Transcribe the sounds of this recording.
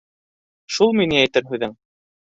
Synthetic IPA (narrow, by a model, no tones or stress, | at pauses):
ʃulˠminɘæjt̪ɘɾɦʉðɘŋ